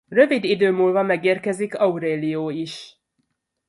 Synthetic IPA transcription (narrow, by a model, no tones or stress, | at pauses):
rø̞vid̪id̪øːmuːlvɒmɛɡeːrkɛzikɒuɾeːlijoːiʃ